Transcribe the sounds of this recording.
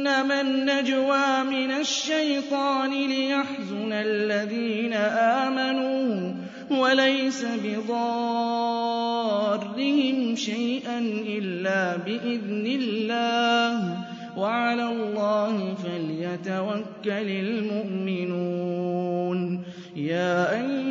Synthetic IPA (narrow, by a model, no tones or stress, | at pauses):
namanːad͡ʒwaːmɪnaʃːajt̪ˤɑːnɪlɪjaħzʊnallːaðiːnaʔaːmanuː | walajsabɪðˤɑ | rːɪhɪmʃajʔanʔɪlːaːbɪʔɪðnɪlːaːh | waʕalaːlˤːɑːhɪfaljat̪awakːalalmʊʔmɪnuːn | jaːʔa